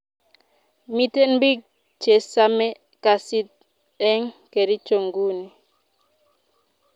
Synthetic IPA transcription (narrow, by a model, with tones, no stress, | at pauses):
mi˦te˦nbi˦k̚ | t͡ʃe˨sa˦mɛ˦ | ka˨si˦t̚ | ɛ˦ŋke˨ɾi˦t͡ʃo˨ŋɡu˦ni˨